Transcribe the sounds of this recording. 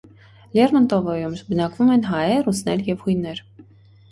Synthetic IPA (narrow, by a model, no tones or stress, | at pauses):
lʲɛɾmɑnt̪ɔvɔjumʒbənɑkvumɛnɦɑɛɾut͡sʰnɛljɛvhujnɛɾ